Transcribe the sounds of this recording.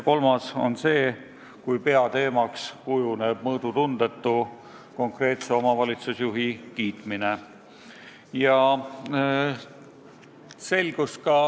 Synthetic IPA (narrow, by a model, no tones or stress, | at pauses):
ko̞lmɑso̞̰nse̞ː | kujpe̞ɑt̪e̞ːmɑkskujuneb̥̚mɤːd̪̥ut̪und̪e̞t̪ːˑu | ko̞ŋkre̞ːt̪se̞o̞mɑvɑlʲit̪susjuɦikiːt̪mine̞ | jɑ | se̞lʲɡ̥ust̪̚kɑ